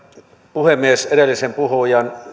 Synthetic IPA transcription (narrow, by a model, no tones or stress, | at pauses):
puhemːieseɾelːisempuhojɑn